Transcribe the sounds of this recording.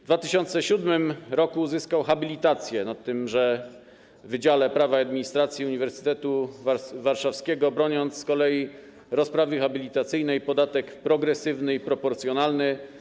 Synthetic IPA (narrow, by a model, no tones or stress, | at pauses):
d̪vat̪ɘɕɔnt̪sɛɕud̪mɘmɾɔkuzɘskawxabʲilʲit̪at̪sʲjɛnat̪ːɘmʐɛ | vɘd͡ʑalɛpɾavaad̪̚mʲiɲist̪ɾat̪sʲjiuɲivɛɾsɘ̥t̪ɛt̪uvavaɾʂafskʲɛɡɔbɾɔɲɔnt̪sːkɔlɛji | ɾɔspɾavɘxabʲilʲit̪at̪sɘjnɛjpɔd̪at̪ɛkpɾɔɡɾɛsɘvnɘipɾɔpɔɾt̪sjɔnalnɘ